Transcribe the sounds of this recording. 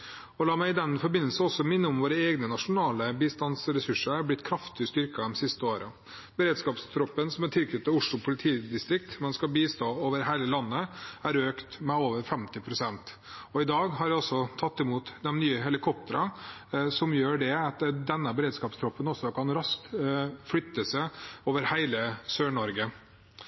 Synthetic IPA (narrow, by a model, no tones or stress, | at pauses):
ɔlɑːmæɪɪd̪ɛnfɔɾbɪnːəlsənɔsːɔmɪnːəʊmʋoːɾəeːɡnənɑʂʊnɑːləbiːst̪ɑnsɾɛsʉʂəɾæɾblɪt̪ːkʰɾɑft̪ɪəst̪ʏɾkəɔmsɪst̪əoːɾə | bəɾeːd̪skɑːpst̪ʰɾɔpːənsɔmɛnt̪ʰɪlkʰʏt̪t̪ːəʊʂlʊpʰʊlɪt̪ʰiːd̪ɪst̪ɾɪk̚t̪mɛnskɑlbiːst̪oːoːʋəɾɦæɪləlɑnːəæɾøːkt̪mɛoːʋəɾfɛmt̪ɪpʰɾʊsɛnt̪ | ɔɪd̪ɑːɡɦɑɾʋɪɔsːɔt̪ʰɑt̪ːɪmuːt̪d̪ɛmnyːəɦɛlɪkʰɔp̚t̪əɾɑsɔmjøːɖɛɑt̪d̪ɛnːəbəɾeːd̪skɑːpst̪ʰɾɔpːənɔsːɔkʰɑnɾɑsk̚t̪flʏt̪ːəsəoːʋəɾhæɪləsøːɳɔɾɡə